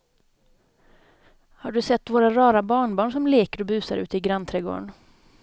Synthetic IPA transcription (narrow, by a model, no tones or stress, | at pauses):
haɖɵsɛt̪ːvoːɾaɾɑːɾabɑːɳbɑːɳʂɔmleːkəɾɔbʉ̟ːsaɾʉ̟ːt̪əɪɡɾant̪ʰɾɛɡo̰ːɳ